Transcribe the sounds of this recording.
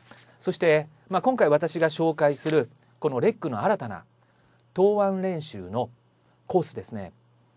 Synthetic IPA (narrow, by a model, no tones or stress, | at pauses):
so̞ɕi̥t̪e̞ | maːkõŋkaiβat̪aɕiɡaɕo̞ːkaisɨɾɯ̟ | ko̞no̞ɾe̞kːɯ̟no̞̰aɾat̪ana̰ | t̪o̞ːβãnɾẽ̞ɰ̃ɕɨ̰ːno̞ | ko̞ːsɨd̪e̞sɨne̞̰